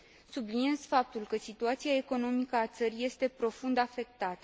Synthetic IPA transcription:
sublinie̞zfap̚t̪ulkəsit̪uat̪siae̞ko̞no̞mikəat̪səɾije̞st̪e̞pɾo̞fund̪afe̞k̚t̪at̪ə

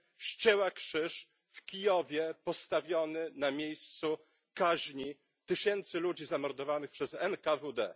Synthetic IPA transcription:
ɕt͡ɕɛwakʂɘʂ | fkʲijɔvʲjɛpɔst̪avʲjɔnɘnamʲjejst̪su | kaʑɲi | t̪ɘɕɛnt̪sɘlud͡ʑizamɔɾd̪ɔvanɘxpʂɛzɛnkavud̪ɛ̰

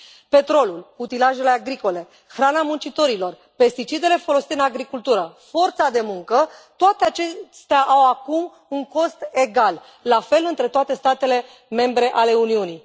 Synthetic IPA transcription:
pe̞t̪ɾo̞lulput̪ilaʒe̞le̞aɡɾiko̞le̞ | xɾanamunt͡ʃit̪o̞ɾilo̞r | pe̞st̪it͡ʃid̪e̞le̞fo̞lo̞si̥t̪eɨnaɡɾikult̪uɾəfo̞rt̪sad̪e̞muŋkət̪oat̪e̞at͡ʃest̪eaʔawakum | uŋko̞st̪e̞ɡalː | afe̞lɨnt̪ɾe̞t̪oat̪e̞st̪at̪e̞le̞ | me̞mbɾe̞ʔale̞uniuni

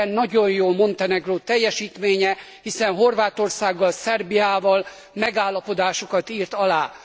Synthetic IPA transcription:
nːɒɟo̞jjoːlmo̞nt̪ɛnɛɡroːt̪ɛjːɛʃiːt̪meːɲɛ | hisɛnɦo̞rvaːt̪o̞rsaːɡːɒlsɛrbijaːvɒl | mɛɡaːlːɒpo̞d̪aːʃokɒt̪iːrt̪ɒlaː

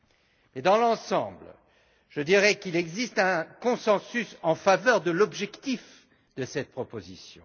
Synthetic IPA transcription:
mɛd̪ɑ̃lɑ̃sɑ̃bl | ʒ̥əd̪iʁɛkilɛɡzist̪ɛ̃kɔ̃sɑ̃sysɑ̃favœʁd̪əlɔbʒɛkt̪if | d̪əsɛt̪̚pχɔpozisjɔ̰̃

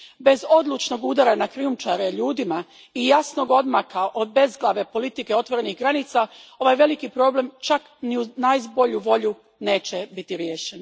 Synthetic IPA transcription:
be̞zo̞d̪lˠut͡ʃno̞ɡud̪aɾanakɾiumt͡ʃaɾeʎuːd̪ima | ijasno̞ɡo̞d̪makaʔo̞d̪̚be̞zɡlˠaʋe̞po̞lit̪ike̞o̞t̪ʋo̞ɾe̞niɦɡɾanit̪sao̞ʋajʋe̞likipɾo̞ble̞mt͡ʃak | niunajzbo̞ʎuʋo̞ʎu | ne̞ːt͡ɕebit̪iɾje̞ːʃen

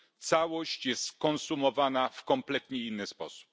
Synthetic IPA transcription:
t̪sawɔɕt͡ɕjɛst̪kɔnsumɔvanafkɔmplɛt̪ɲɛinːɘspɔ̰su̥p̚

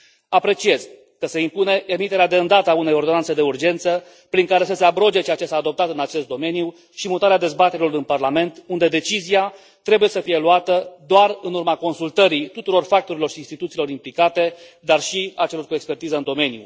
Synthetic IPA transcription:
apɾe̞t͡ʃie̞z̥ | kəse̞impune̞ʔemit̪e̞ɾead̪e̞ɨnd̪at̪əaune̞jo̞rd̪o̞nanse̞d̪e̞urd͡ʒe̞nt̪sə | pɾiŋkaɾe̞səse̞abɾo̞d͡ʒe̞t͡ʃeat͡ʃe̞saːd̪o̞p̚t̪at̪ɨnat͡ʃe̞st̪d̪o̞me̞nju | ʃimut̪aɾead̪e̞zbat̪e̞ɾilo̞rɨnparlame̞nt̪und̪e̞d̪e̞t͡ʃizia | t̪ɾe̞buje̞səfije̞luat̪əd̪oarɨnurmako̞nsult̪əɾit̪ut̪uɾo̞rfak̚t̪o̞ɾilo̞rʃinst̪it̪ut̪silo̞ɾimplikat̪e̞ | d̪arʃiat͡ʃe̞lo̞rkue̞kspe̞rt̪izəɨnd̪o̞me̞nijṵ

